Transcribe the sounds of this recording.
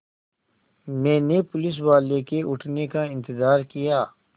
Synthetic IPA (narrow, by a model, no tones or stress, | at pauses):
mɛ̃ːnepʊlɪs̬waːlekeʔʊʈʰnekaɪ̃nt̪ɪzaːɾkijaː